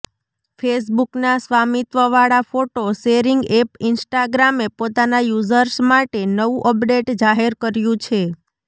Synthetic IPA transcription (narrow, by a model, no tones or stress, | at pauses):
fʰes̬buknasʋamit̪ʋəʋaɭafoʈoʃeɾiŋɡepɪnsʈaɡɾamepot̪anajuzəɾsmaʈenəʋũʔəpɖeʈd͡ʒaɦeɾkəɾjũt͡ʃʰe